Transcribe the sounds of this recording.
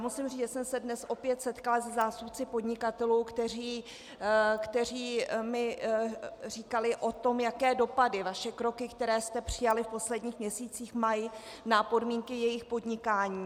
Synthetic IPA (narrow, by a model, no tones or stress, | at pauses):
jaːmusɪmriːʒɛsɛmsɛdnɛsʔo̞pjɛt̪sɛt̪kalazɛzaːst̪upt͡sɪpo̞dɲɪkat̪ɛluːkt̪ɛriː | kt̪ɛr̝iːmɪ | rikalɪʔo̞t̪o̞mjakɛːdo̞padɪvaʃɛkɾo̞kɪkt̪ɛɾɛːst̪ɛpr̝̥ɪjalɪfpo̞slɛdɲiːxmɲɛsiːt͡siːxmaj | napo̞dmiːŋkɪjɛjɪxpo̞dɲɪkaːɲiː